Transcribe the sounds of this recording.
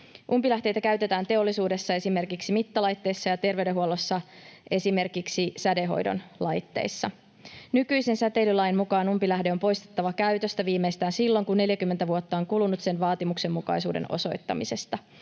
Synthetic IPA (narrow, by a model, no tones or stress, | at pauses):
ʔumpilæht̪e̞jt̪ækæɥt̪e̞t̪æːnt̪e̞o̞lːisuːde̞sːɑe̞sime̞rkiksimit̪ːɑlɑjt̪ːe̞jsːɑjɑt̪e̞rʋe̞deɦuolːo̞sːɑʔe̞sime̞rkiksisæde̞ɦo̞̰jdo̞̰nlɑjt̪ːe̞̰ːjsːɑ | nykyjsensæt̪e̞lylɑjnmukɑːnumpilæhde̞o̞mpo̞jst̪e̥t̪ːɑʋɑkæyt̪ø̞st̪æʋiːmejst̪æːnsilːo̞ŋkunːe̞ljækymːent̪æʋuot̪ːɑoŋkulunut̪se̞nʋɑːt̪imukse̞mːukɑ̰jsṵːde̞̰no̞̰so̞jt̪ːɑ̰mise̞st̪ɑ